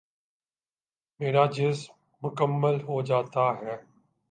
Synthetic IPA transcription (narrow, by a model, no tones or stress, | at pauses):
meːɾad͡ʑɪs | mʊkəmːəlɦod͡ʑaːt̪aɦɛː